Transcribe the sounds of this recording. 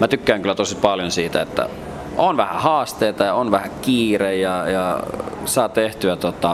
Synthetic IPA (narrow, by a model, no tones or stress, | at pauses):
mæt̪ykːæːŋkylːˑæt̪osipɑljonsiːt̪æet̪ːæ̰ | onʋæhæ̰hɑːst̪eːt̪ɑjɑonʋæhækiːrejjɑjɑsɑːt̪eht̪yæt̪ot̪ːɑ